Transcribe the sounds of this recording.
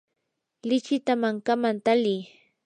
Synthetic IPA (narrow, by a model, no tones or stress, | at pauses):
lɪt͡ʃɪt̪amaŋkamant̪alij